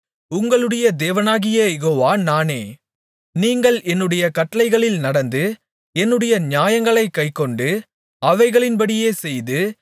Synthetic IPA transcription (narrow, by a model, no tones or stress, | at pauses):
ʊŋɡɐɭɯɽɐjɐd̪eːʋɐnaːɣɪjɐjɛɣoːʋaːnaːneː | niːŋɡɐɭɛnːɯɽɐjɐkɐʈːɐlɐɪɣɐɭɪlnɐɽɐnd̪ɯ | ɛnːɯɽɐjɐɲjaːjɐŋɡɐɭɐɪkːɐɪkːɔɳɖɯ | ɐʋɐɪɣɐɭɪnpɐɽɪjeːsɛjðɯ